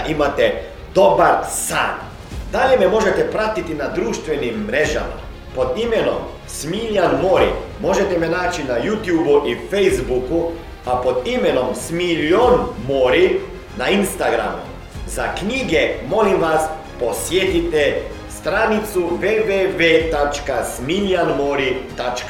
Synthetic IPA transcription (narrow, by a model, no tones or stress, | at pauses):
ʔimat̪ɛ | d̪o̞baɾsa̰n | d̪aʎememo̞ʒet̪ɛpɾat̪it̪inad̪ɾuːʃt̪ʋenimːɾeʒa̰ma̰ | po̞d̪imeno̰m | smiʎanmoɾḭ | mo̞ʒet̪ɛmɛnaːt͡ʃinajut̪jubuʔifejzbuku | apo̞d̪imeno̞msmilonmoːɾi | nainst̪aɡɾa̰mṵ | za̰kɲiːɡemo̞limʋas | po̞sjet̪it̪ɛ | st̪ɾanit̪suʋeːʋeʋet̪at͡ʃkasmiʎjanmoɾit̪at͡ʃka